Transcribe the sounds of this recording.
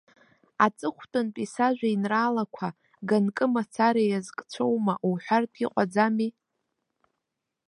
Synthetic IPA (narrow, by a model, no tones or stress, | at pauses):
at͡sʼɨχʷtʼɨnpʼisaʒʷᶣainraːlakʷʰa | ɡankʼɨmat͡sʰaɾajazkʼt͡sʷʰowmaʔuwħʷᶣartʰʼiqʷʼad͡zami